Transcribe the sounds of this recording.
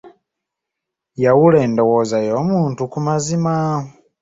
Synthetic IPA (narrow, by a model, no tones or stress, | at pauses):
jawuleːndowozajoːmuːntukumazima